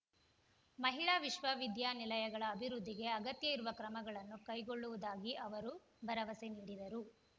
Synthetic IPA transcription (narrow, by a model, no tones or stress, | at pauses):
mɐɦiɭaːʋiʃʋɐʋid̪jaːnilɐjɐɡɐɭɐːbʱiɾud̪ʱːiɡe̞ɐɡɐt̪jɐiɾuʋɐkɾɐmɐɡɐɭɐnːukɐjɡoɭːuʋud̪aːɡiʔɐʋɐɾu | bʱɐɾɐʋɐseniːɽid̪ɐɾu